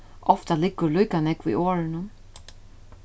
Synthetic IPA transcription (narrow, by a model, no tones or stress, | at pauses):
ʔɔft̪alɪkːʊɾlujkanɛkʋḭːoːɾɪnʊ